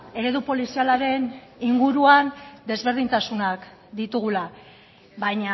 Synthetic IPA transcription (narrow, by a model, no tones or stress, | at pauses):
e̞ɾe̞ðupo̞lisialaɾe̞niŋɡuɾuand̪e̞zβe̞ɾð̞int̪asunak | d̪it̪uɣ̞ula | βajɲa